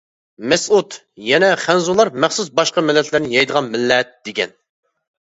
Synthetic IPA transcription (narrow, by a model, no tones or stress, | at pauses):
mɛsut̪ | jɛnɛχænzulˠɑɾmæχsusbɑʃqɑmɪlːɛt̪læɾnɪjɑjd̪əʁɑnmɪlːɛt̪̚d̪̥eɡʲɛ̰n